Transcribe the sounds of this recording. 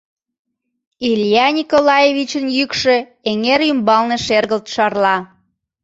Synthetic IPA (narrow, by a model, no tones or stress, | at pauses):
ilʲjɑnʲikolɑjeβit͡ɕənjykʃø̆ | eŋeɾymbɑlneʃerɣəlt̪ʃɑrlɑ